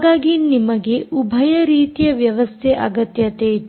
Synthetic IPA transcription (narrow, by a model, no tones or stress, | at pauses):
ɡaːɡinimɐɡeʔubʱɐjɐɾiːt̪ijɐʋjɐʋɐst̪ʰeʔɐ̰ɡɐt̪jɐt̪eː